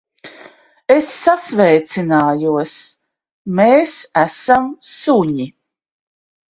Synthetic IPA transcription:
esːasvɛjt̪sinaːjuɔs | meːsæsamsuɲi

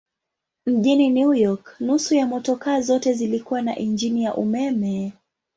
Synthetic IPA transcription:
m̩ʄininujɔknusujamɔtɔkazɔtɛzilikuwana̰ʔind͡ʒinijaʔumɛmɛ

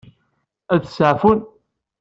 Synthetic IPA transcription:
æðsəʕfun

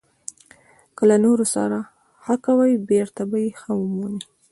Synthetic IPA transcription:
kəlanoɾosa̰ɾa | xakawajbeɾt̪abajexəwumuni

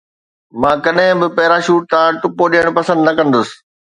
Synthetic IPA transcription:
mãːkɐɗɦɪ̃bɪpɐɦɾaʃuːʈ̚t̪ãːʈʊpoɗijəɽ̃pɐsə̃nd̪nɐkɐ̃nd̪ʊsɪ̥̆

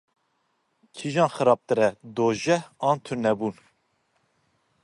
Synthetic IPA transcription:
kʰiʒɑ̃ːnxɨɾɑːb̚t̪ɨɾɛd̪oːʒɛhɑːnt̪ʰʊɾnɛbuːn

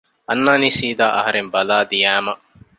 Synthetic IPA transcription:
ɐnːaːnisiːd̪aːʔɐ̰ɦɐɾembɐlaːd̪ijæːmɐʔ

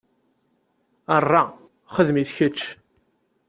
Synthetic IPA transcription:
ərˤːɑ | χəðmiθçət͡ʃː

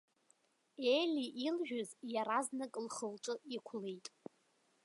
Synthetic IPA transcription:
elʲiʔilʒᶣʊzjaɾaznakʼlχəlʈ͡ʂʼɨikʷʰlejtʼ

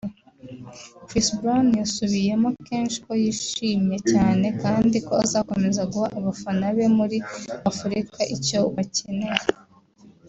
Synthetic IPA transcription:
kɾisbɾanjasuβije̞moke̞ːnʃi̥ko̞jiʃiːmje̞caːne̞kaːndikoazako̞me̞zaɡuhaʔaβafanaβe̞muɾiafuɾikʰaʔico̞βacene̞ɾe

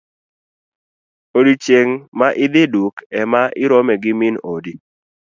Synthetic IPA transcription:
odit͡ʃeŋmaʔɪd̪ɪdukɛmaʔɪɾɔmɛɡɪminodi

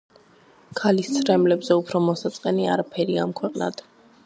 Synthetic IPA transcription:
kʰalist̪sʰɾɛmlɛbzɛupʰɾɔmɔsat̪sʼqʼɛniaɾapʰɛɾiamkʰwɛqʼna̰d̪̥

